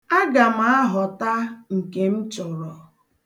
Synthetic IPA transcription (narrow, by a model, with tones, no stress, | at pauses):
a˦ɡa˨m˨a˦ɦɔ˨ta˦ŋ̩˨ke˨m̩˦t͡ʃɔ˨ɾɔ˨